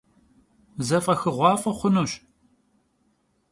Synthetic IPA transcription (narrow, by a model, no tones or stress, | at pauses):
zɐfʼɐxɨʁʷɑːfʼɐχʷʊnuːɕ